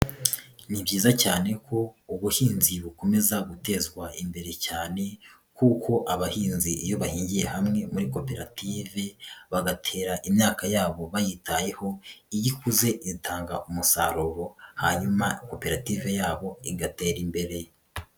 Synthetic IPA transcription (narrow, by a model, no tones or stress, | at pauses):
nibɟiːzacaːne̞kʰo̞uβuhiːnziβuko̞me̞zaɡute̞zɡwaimbe̞ɾe̞caːne̞ | kuːkʰo̞ʔaβahiːnziijo̞βahiːɲɟije̞hamŋe̞muɾiko̞pe̞ɾatʰiːve̞βaɡatʰe̞ːɾaʔimɲaːkajaːβo̞βajitaje̞ho̞ijikuze̞ʔizitʰaːŋɡaʔumusa̰ɾoɾo̞haɲumako̞pe̞ɾatiːve̞jaːβo̞iɡate̞ːɾimbe̞ɾe̞